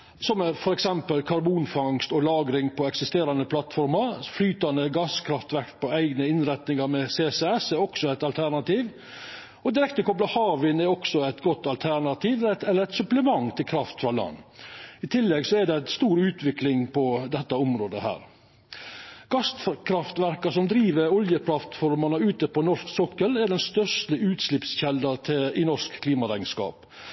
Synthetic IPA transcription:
sɔmɛfɔɾɛksɛmpəlkʰɑɾbuːnfɑŋst̪ɔlɑːɡɾɪŋpʰɔɛksɪst̪eːɾɑnəpʰlɑt̪fɔɾməɾflyːt̪ɑnd̪əɡɑskʰɾɑft̪ʋæɾkt̪̚pʰɔæɪɡnəɪnɾæt̪nɪŋɑɾmɛseːsɛɛsɛɾɔksɔæɪt̪ɑlt̪ʰæɾɳɑt̪iːʋ | ɔd̪ɪɾɛk̚t̪əkɔblɑhɑːʋɪnɛɾɔksɔæɪt̪ɡɔt̪ːɑlt̪ʰæɾɳɑt̪ʰiːʋɛt̪ɛlːəɾɛt̪sʉpləmɑŋt̪ʰɪlkʰɾɑft̪fɾɑlɑ̰nːɪt̪ʰɪlːɛɡsɔɛɖɛst̪uːɾʉːt̪ʰʋɪklɪŋpʰɔd̪ɛt̪ːɑɔmɾoːd̪əhæ̰ːɾ | ɡ̥ɑst̪fkʰɾɑft̪ʋæɾkɑʂɔmd̪ɾiːʋəɾɔljəpʰlɑft̪fɔɾmɑnəʉːt̪əpɔnɔʂksɔkːəlɛɖɛnst̪œʂt̪əʉːt̪slɪpsçɛld̪ɑt̪ʰɪlɪnɔskkʰːliːmɑɾæɪskɑ̰ːp

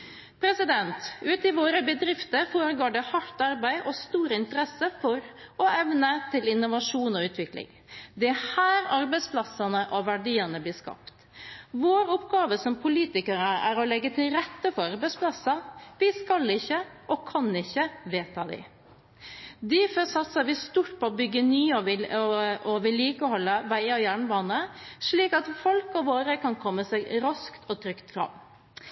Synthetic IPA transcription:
pʰɾɛsɪd̪ɛnt̪ʉːt̪ɪʋoːɾəbəd̪ɾɪft̪əɾfoːɾəɡoːɖɛhɑʈːɑɾbæɪʔɔst̪uːɾəɪnt̪əɾɛsːəfɔɾɔɛʋnət̪ʰɪlɪnːʊʋɑʂuːnɔʉːt̪ʋɪklɪ̰ŋ | d̪ɛhæːɾɑɾbæɪspʰlɑsɑnəʔɔʋæɖiːənəbliːʂkɑ̰pt̪ | ʋoːɾɔpɡɑːʋəsɔmpʰʊliːt̪ɪkəɾəæ̰ːɾɔlɛɡːət̪ʰɪlɾɛt̪ːəfɔɾɑɾbæɪspʰlɑsɑʋɪskɑlɪçːəʔɔkʰɑnɪçːəʋeːt̪ʰɑd̪ɪ̰ | d̪ɪfɔsɑt̪sɑɾʋɪst̪uːʈ̚pʰɔɔbʏɡːənyːɔʋɪ | ɔʋɪliːkɔɦɔlːəʋæɪɑjæːɳəbɑːnəʂɭiːkɑt̪fɔlkɔʋoːɾəkʰɑnkʰɔmːəsæɪɾɑskt̪ʰɔt̪ʰɾʏkt̪fɾɑ̰m

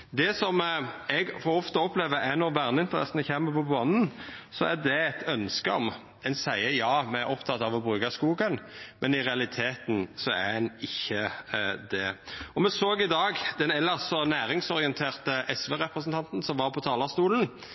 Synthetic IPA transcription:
d̪ɛsɔmɛɡfɔʁɔft̪əɔpleːʋəʔænɔʁʋæʁnəɪnt̪əʁɛ̰sənəçeːməpɔbɑnn̩sɔæd̪ɛɛt̪ʰœnskəɔ̰m | ɛnsæɪəjɑːmɛæɾɔpt̪ʰɑt̪ːɑʋɔbɾʉːkɑskuːɡənmʔɛnɪʁɛɑlɪt̪ʰeːt̪nsɔæ̰ɛnɪçːəd̪ɛɔmɛsoːɡɪd̪ɑːɡd̪ɛnɛlːəɾsɔnæːɾɪŋsɔɾɪənt̪ʰeːʁt̪əʔɛsʋɛʁɛpɾəsənt̪ʰɑnt̪n̩sɔmʋɑɾpʰɔt̪ʰɑːlɑst̪uːlən̩

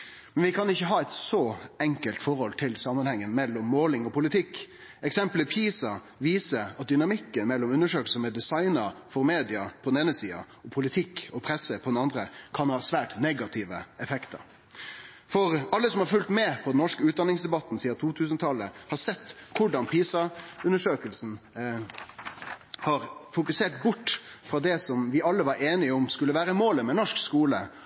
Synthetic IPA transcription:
mɛnʋɪkʰɑnɪçːəɦɑːɛɪt̪sɔɛŋkəlt̪fɔɾhɔlt̪ʰɪlsɑmːənhɛŋːənmɛlːɔmːoːlɪŋɔpʊlɪt̪ʰɪkː | ɛksɛmpləpʰiːsɑ | ʋiːsəɑt̪̚d̪ʏnɑmɪkːənmɛlːɔmʉnːəʂøːkl̩səmɛd̪ɛsɑɪnəɾfɔɾmeːd̪ɪɑpʰɔd̪n̩eːnəsiːɑ̰ | ɔpʰʊlɪt̪ʰɪkːɔpʰɾɛsːəpʰɔd̪ɛnɑnd̪ɾəkʰɑnhɑːsʋæːʈnɛɡɑt̪ʰɪʋə̰ɛfɛkt̪ə̰ɾ | fɔɾɑlːəsɔmhɑɾfʉlt̪mɛpʰɔd̪ɛnɔʂkəʉːt̪̚d̪ɑnɪŋsd̪ɛbɑt̪ːn̩siːɑt̪ʰuːt̪ʰʉːs̬nət̪ʰɑlːəhɑsɛt̪ːkʰʊɖɑnpʰiːsɑʉnːəʂøːkəlsn̩ | hɑɾfʊkʉseːʈbʊʈːfɾɑd̪ɛsɔmʋɪɑlːəʋɑɾeːnɪɔmskʉlːəʋæːɾəmoːləmɛnɔʂkskuːlə

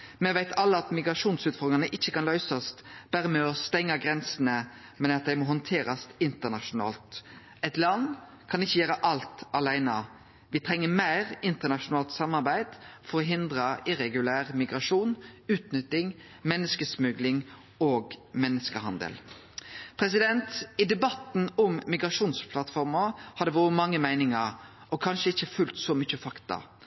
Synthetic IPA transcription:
mɛʋæɪt̪ʰɑlːəɑt̪mɪɡɾɑʂuːnsʉːt̪fɔɾd̪ɪŋnəʔɪçːəkɑnlœʏsɔst̪b̥æːɾəmɛːɔst̪ɛŋːɑɡɾɛnsənəmɛnɑt̪̚d̪æɪmɔɦɔnt̪ʰeːɾɑst̪ɪnt̪ənɑʂʊnɑ̰ːlt̪ | ɛt̪lɑn | kʰɑnɪçːəjøːɾəʔɑlt̪ɑlæɪnə | ʋɪt̪ʰɾɛŋːəmæɪʁɪnt̪ənɑʂʊnɑːlt̪sɑmːɑɾbæɪd̪fɔɾɔɦɪnd̪ɾəʔɪɾɛɡʉlæːʁmɪɡɾɑʂuːnʉːt̪nʏt̪ːɪŋ | mɛnːəskəsmʉɡlɪŋ | oːɡmɛnːəskəhɑ̰nd̪ə̰l | pʰɾɛs̬ɪd̪ɛnt̪ɪd̪ɛbɑt̪n̩ɔmːɪɡɾɑʂuːnspʰlɑt̪fɔɾməhɑd̪ɛʋʊːɾəmɑŋːəmæɪnɪŋəɾ | ɔkʰɑnʃəɪçːəfʉlt̪sɔmʏçəfɑkt̪ɑ̰

